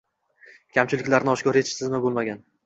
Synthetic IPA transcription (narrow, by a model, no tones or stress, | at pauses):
kʲʰamt͡ʃʰɪlɪkʲlaɾnɪɒʃkʲɒɾet͡ʃsɪzmɪbolˠmaɡʲan